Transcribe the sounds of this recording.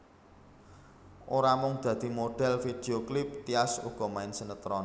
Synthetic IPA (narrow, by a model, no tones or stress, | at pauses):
ʔoɾamʊŋd̪̥ä̤d̪̥i̤moɖ̥ɛ̤lfid̪̥eoklɪp̚t̪iasuɡ̥ɔ̤maɪnsənət̪ɾɔn